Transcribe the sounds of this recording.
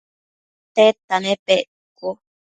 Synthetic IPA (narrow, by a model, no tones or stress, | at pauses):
t̪et̪anẽpeʔ | ko